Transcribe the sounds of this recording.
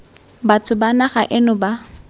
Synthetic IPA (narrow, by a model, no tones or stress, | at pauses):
batʰʊbanaχaʔɪnʊba